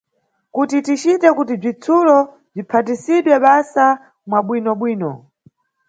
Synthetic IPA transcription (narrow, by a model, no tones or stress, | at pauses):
kutitit͡ʃitɛkutib͡ʐit͡sʰulɔ | b͡ʐipʰat̬isiɗwɛɓasa | mwaɓwinɔɓwiːnɔ̰